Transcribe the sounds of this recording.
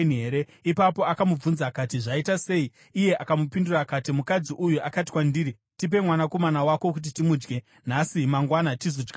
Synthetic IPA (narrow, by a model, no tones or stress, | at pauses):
nɦeɾe̞ | ipapo̞akamub͡vunzakatiʐaitase̞iː | je̞ʔakamupindurakatimukad͡ziʔujuʔakati̥kwandiːɾi | tip̬e̞mwanako̞manawako̞k̬ut̬itimud͡ʒɡe̞ | nasimaŋɡwanatizod͡ʒɡa